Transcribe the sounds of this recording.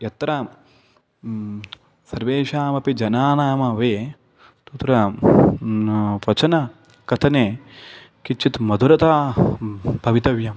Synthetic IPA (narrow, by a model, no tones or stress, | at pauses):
jɐt̪ɾɐ | sɐɾʋeːʃaːmɐpid͡ʒɐnaːnaːmɐʋeː | t̪ut̪ɾɐ | ʋɐt͡ʃɐnɐ | kɐt̪ʰɐneː | kit͡ʃʰːit̪mɐd̪ʱuɾɐt̪aː | bʱɐʋit̪ɐʋjɐm